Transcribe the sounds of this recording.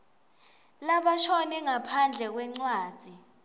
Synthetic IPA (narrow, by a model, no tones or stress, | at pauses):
laɓaʃɔnɛŋapʰand͡ɮʱɛk̬wɛŋ͡ǀwaːd̥ʱi